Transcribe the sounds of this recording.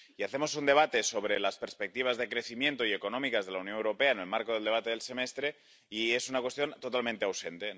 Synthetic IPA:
iaθemo̞sund̪e̞β̞at̪e̞so̞β̞ɾelaspeɾspek̚t̪iβ̞azðe̞kɾe̞θimje̞nt̪oieko̞no̞mikazðe̞launjo̞newɾo̞pe̞aenelmaɾkoðeld̪e̞βat̪e̞ðe̞lse̞mest̪ɾe̞ | iesunakwe̞st̪jo̞nt̪ot̪almẽnt̪eawse̞nt̪e

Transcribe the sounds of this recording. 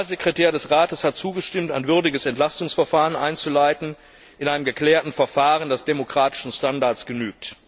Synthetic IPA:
azekʁ̥etʰɛːɐdɛsʁaːtəshat̚t͡suːɡəʃtɪmtaɪnvʏɐdɪɡəsɛntl̥astʊŋsfɛɐfaːʁənʔa̰ɪnt͡sulaɪtn̩ | ʔɪnʔaɪnəmɡəkl̥ɛːɐtn̩fɛɐfaːʁəndɛsd̥emokʁ̥aːtɪ̥ʃn̩ʃtandaɐtt͡sɡ̥ənyːk̚t

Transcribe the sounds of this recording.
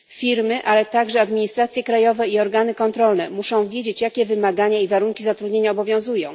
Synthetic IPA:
fʲiɾmɘʔalɛt̪aɡʐɛad̪mʲiɲist̪ɾat̪sʲjɛkɾajɔvɛiɔɾɡanɘkɔnt̪ɾɔlnɛmuʂɔ̃w̃vʲjed͡ʑet͡ɕjakʲɛvɘmaɡaɲaivaɾuŋkʲizat̪ɾud̪ɲeɲaɔbɔvʲjɔ̃w̃zujɔ̃w̃

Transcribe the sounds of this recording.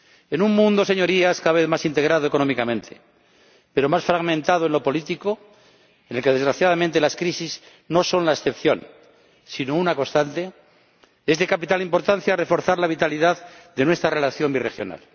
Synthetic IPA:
e̞nuŋmũnd̪o̞se̞ɲo̞ɾiaskaðaβeθmasint̪e̞ɣɾaðoe̞ko̞no̞mikamẽ̞nt̪ʰe | peɾo̞masfɾaɣmẽnt̪aðoe̞nlo̞po̞lit̪iko̞ | ene̞lke̞ðe̞zɣɾaθjaðamẽnt̪e̞laskɾisiz | no̞so̞nlaesθe̞pθjo̞̰n | sinounako̞st̪ant̪e̞ | e̞zðe̞kapit̪alimpo̞ɾt̪anθjare̞fo̞ɾθaɾlaβ̞it̪aliðaððe̞nwe̞st̪ɾare̞laθjo̞mbire̞xjo̞̰na̰l

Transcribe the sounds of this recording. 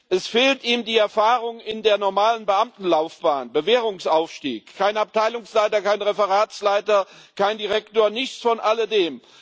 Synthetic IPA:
ʔɛsfeːltiːmdiːɛɐfaːʁʊŋɪndeːɐnɔɐmaːlənbəʔamtn̩laʊfb̥aːnbəveːʁʊŋsʔaʊfʃtḭːkʰːaɪnap̚tʰaɪlʊŋslaɪtɐkaɪnʁefəʁaːslaɪtɐkaɪndiʁ̞ɛktoːɐnɪçt͡sfɔnʔalədeːm

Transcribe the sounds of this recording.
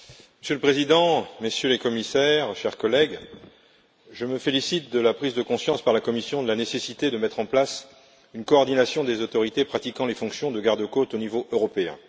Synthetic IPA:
məsjøləpχezid̪ɑ̃məsjølekɔmisɛʁʃɛʁkɔlɛɡ | ʒəməfelisit̪̚d̪əlapχizd̪əkɔ̃sjɑ̃spaʁlakɔmisjɔ̃d̪əlanesesit̪ed̪əmɛt̪χɑ̃plas | ynkɔːʁd̪inasjɔ̃d̪ezot̪ɔʁit̪epχat̪ikɑ̃lefɔ̃ksjɔ̃d̪əɡaʁd̪əkot̪onivoʔøʁɔpeɛ̰̃

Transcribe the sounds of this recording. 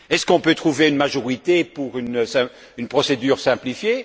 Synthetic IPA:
ɛskɔ̃pøt̪χuveynmaʒɔʁit̪epuʁynsɛ̃ | ynpχɔsed̪yːʁsɛ̃plifje

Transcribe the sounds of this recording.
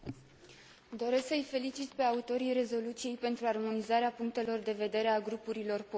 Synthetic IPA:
d̪o̞ɾe̞sksəjfe̞lit͡ʃit̪pe̞aut̪o̞ɾijre̞zo̞lut̪sije̞jpe̞nt̪ɾuarmo̞nizaɾeapuŋk̚t̪e̞lo̞rd̪e̞ve̞d̪e̞ɾe̞aɡɾupuɾilo̞rpo

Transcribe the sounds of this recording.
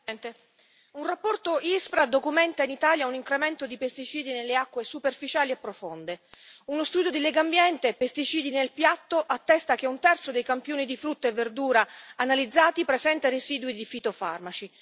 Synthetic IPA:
nt̪e | unrapːɔrt̪oʔispɾad̪okumɛnt̪ainit̪aːljauniŋkɾemɛnt̪od̪ipest̪it͡ʃiːd̪inelːeakːwesuperfit͡ʃaːliepːɾofond̪eunost̪uːd̪jod̪ilɛɡambjɛnt̪epest̪it͡ʃiːd̪inelpjat̪ːoʔat̪ːɛst̪akeunt̪ɛrt̪sod̪ejkampjoːnid̪ifɾut̪ːaevːerd̪uːɾaːnalid̪zːaːt̪ipɾezɛnt̪areziːd̪wid̪ifit̪ofa̰rmat͡ʃi

